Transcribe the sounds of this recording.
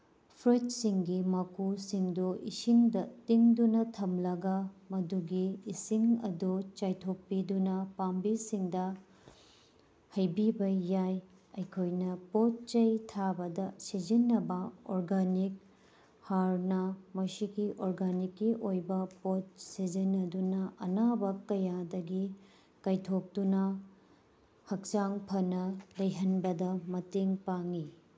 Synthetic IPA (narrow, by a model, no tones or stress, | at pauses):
pʰɾit̚siŋɡimakusiŋduʔisiŋdɐtiŋdunɐtʰɐmlɐɡɐmɐduɡiːsiŋɐdut͡ʃajtʰok̚pːidunɐpambisiŋdɐ | hɐjbibɐjaj | ɐjkʰojnɐpot̚t͡ʃɐjtʰabɐdɐsid͡ʒinːɐbɐoɾɡanik̚ | haɾnɐmɐsiɡiʔoɾɡanikːiʔojbɐpot̚sid͡ʒinːɐdunɐʔɐnabɐkɐjadɐɡi | kɐjtʰok̚tunɐ | hɐk̚t͡ʃaŋpʰɐnɐlɐjɦɐnbɐdɐmɐteŋpaŋi